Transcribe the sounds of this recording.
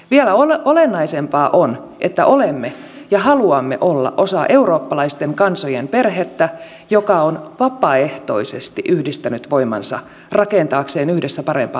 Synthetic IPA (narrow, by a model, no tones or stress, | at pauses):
ʋiælæoolenːɑisempɑːʔon | ʔet̪ːæʔolemːe | jɑhɑluɑmːe̞̰ʔo̞lːɑ̰ʔo̞sɑʔe̞uɾo̞ːpːɑlɑist̪eŋkɑnsojempe̞rɦet̪ːæ | jokɑonʋɑpˑɑe̞ht̪o̞̰isest̪iʔyhdist̪ænyt̪ʋo̞imɑ̰nsɑ̰ | rɑkent̪ɑːkseːnyhdesːæpɑɾe̞̰mpɑ̰ː